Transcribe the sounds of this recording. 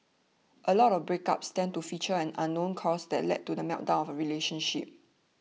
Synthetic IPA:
ʔəlɔtɔbɹeka̰pstɛ̃ntufit͡ʃəɛ̃nãnːõnkʰɔsdɛ̰t̚lɛ̰d̚tːudəmɛʊʔ̚dãʊ̃nɔvəɹileʃə̃nʃḭp̚

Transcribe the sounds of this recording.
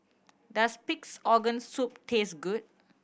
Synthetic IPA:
daspiksɔɡə̃nssup̚tʰesɡud̚

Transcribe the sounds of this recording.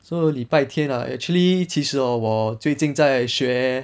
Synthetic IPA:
sɔlipaɪt̪ʰjɛnɐ̰ʔɛ̰t͡ʃʰulit͡ɕʰiʂɻ̩ɐwɔt͡sweɪt͡ɕiŋt͡saɪɕɥɛ

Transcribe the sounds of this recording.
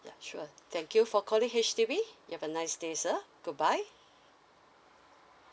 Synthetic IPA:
ja̰ʃuət̪ʰɛ̃ŋkjufɔkʰɔlĩŋɦet͡ʃtivijuhɛvənaɪsdesəɡ̥ut̚baɪ

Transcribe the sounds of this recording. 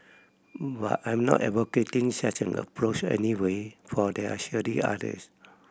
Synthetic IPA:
ba̰tãj̃mnɔ̰tɛvoketĩŋsat͡ʃɛ̃nə̰pʰɹot͡ʃɛ̰niwefɔdɛa̰ʃiəɾia̰də̰s

